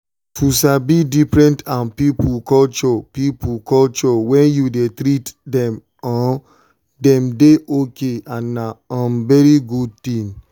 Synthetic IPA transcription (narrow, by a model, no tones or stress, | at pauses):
fusabidifɹɛ̃ntãnpipukɔlt͡ʃɔpipukɔlt͡ʃɔwɛ̃njudetɾitdɛ̃m | ɔ̃ | dɛ̃mdeʔokeãnːaɔ̃nvɛɹiɡud̚tĩn